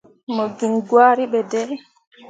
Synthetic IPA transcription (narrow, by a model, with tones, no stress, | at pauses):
mɔ˨ɡi˨ŋɡwaː˦ɾi˦ɓɛ˨dɛ˦